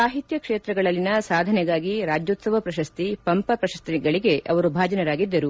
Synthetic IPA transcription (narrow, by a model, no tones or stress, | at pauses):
aːɦit̪jɐkʂeːt̪ɾɐɡɐɭɐlːinɐsaːd̪ʱɐnɛɡaːɡiɾaːd͡ʒjoːt̪sɐʋɐpɾɐʃɐst̪ipɐmpɐpɾɐʃɐst̪iɡɐɭiɡe̞ʔɐ̰ʋɐɾubʱaːd͡ʒɐnɐɾaːɡid̪ːɐɾu